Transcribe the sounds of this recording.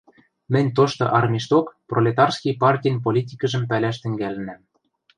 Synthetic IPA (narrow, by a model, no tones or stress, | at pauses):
mɘ̆nʲt̪oʃt̪ŏ̰ʔɑrmʲiʃt̪okprolʲet̪ɑrskijpɑrtʲijnp̬olʲitʲikɤ̆ʒɤ̆mpælæʃ̬t̪ɘ̆ŋɡælɘ̆næm